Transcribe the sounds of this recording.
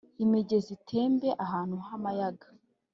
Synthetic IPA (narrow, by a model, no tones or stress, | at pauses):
imeɟe̞zitʰe̞ːmbe̞ʔaɦaːnhuɦamajaɡḁ